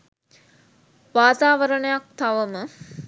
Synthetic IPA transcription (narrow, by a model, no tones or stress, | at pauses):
ʋaːt̪aːʋəɾəɳəjak̚t̪aʋəmə